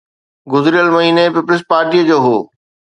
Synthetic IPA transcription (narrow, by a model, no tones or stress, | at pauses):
ɡʊzɾijəlmɐɦiːnepɪplɪs̬paːɾʈiːəd͡ʑoːɦoː